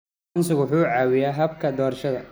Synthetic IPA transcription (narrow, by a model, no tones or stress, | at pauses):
nsɪɣwʊħuːʕɑːwɪjaːɦɐbkʰɐd̪ɔːrʃɐðɐ